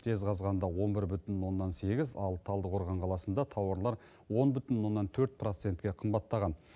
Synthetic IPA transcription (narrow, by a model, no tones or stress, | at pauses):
tʲʰe̞zqɑzʁɑnd̪ɑwo̞nbɪɾbʏt̪ɪnwo̞nːɑnse̞ɡʲɪzɑlˠt̪ʰɑlˠd̪əqʰoɾʁɑɴqʰɑlˠɑsənd̪ɑt̪ʰɑwɑɾlˠɑɾ | wo̞nbʏt̪ɪnwo̞nːɑnt̪ʰɵɾt̪̚pro̞t̪se̞nt̪kʲe̞qʰəmbɑt̪ːɑʁɑn